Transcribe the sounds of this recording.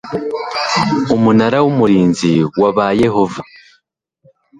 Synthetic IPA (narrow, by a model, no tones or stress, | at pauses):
umunaɾawumuɾiːnziwaβaje̞ho̞va